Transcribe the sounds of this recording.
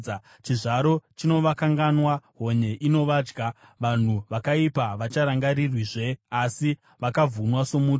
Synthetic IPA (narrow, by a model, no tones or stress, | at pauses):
t͡ʃiʐaɾo̞t͡ʃino̞ʋakaŋɡanwaɦo̞ɲe̞ʔino̞ʋad͡ʒɡaʋan̤uʋakaipaʋat͡ʃaɾaŋɡaɾirwiʐe̞asi | ʋakavʱunwasomuː